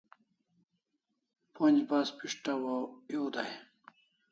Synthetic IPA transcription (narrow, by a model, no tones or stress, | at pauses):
ponʲd͡ʑbaspiʂʈawajoːd̪aj